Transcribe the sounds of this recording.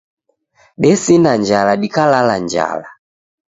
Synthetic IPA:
ɗɛsinaɲd͡ʒalaɗikalaland͡ʒa̰la

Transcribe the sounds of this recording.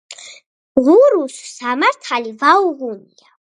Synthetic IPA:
ʁuɾussamaɾt̪ʰalivauʁunia

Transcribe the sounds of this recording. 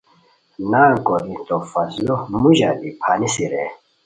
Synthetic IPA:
naːkɔɾint̪ɔfaslɔmuʒadipʰanisiɾɛ

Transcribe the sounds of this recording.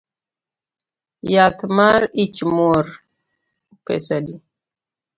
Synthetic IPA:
jat̪maɾit͡ʃmoɾ | pɛ̰sadi

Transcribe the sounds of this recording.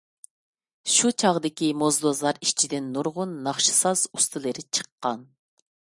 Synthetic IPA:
ʃut͡ʃʰɑʁd̪ɪkʲimozd̪ozlˠɑɾiʃt͡ʃʰid̪ɪnːuɾʁʊnːɑχʃɨ̥sɑz̥ust̪ʰɨlˠɨɾɪt͡ʃʰə̥qːɑn

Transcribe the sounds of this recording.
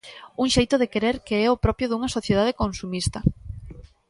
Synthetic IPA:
uŋʃejt̪oðekeɾeɾkeɛopɾɔpjoðuŋɐsoθjeð̞að̞ekonsumist̪ɐ

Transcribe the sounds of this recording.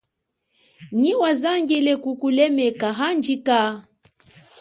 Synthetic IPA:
ɲiwazaŋɡɛlɛkukulɛmɛkaɦand͡ʒika

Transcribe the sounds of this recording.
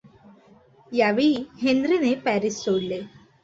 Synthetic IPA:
jaʋiɦend̪ɾinepæɾisːoɽle

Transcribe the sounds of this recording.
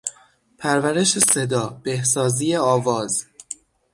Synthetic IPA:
pʰæɾvæɾe̞ʃe̞sed̪ɒːb̥ehsɒːziːjeɒːvɒːz̥

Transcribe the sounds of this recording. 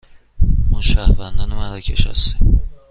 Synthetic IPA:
mɒʃæhvænd̪ɒːnemænɾɒcʰeʃɒ̰st̪im

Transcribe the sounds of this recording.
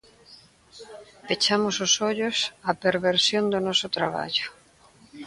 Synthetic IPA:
pet͡ʃamʊsʊsoʎʊsapeɾβeɾsjond̪ʊnɔsʊt̪ɾaβa̰ʎʊ̥

